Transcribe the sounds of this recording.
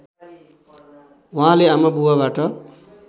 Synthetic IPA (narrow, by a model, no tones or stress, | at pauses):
wʌɦãleamabuwaβaʈʌ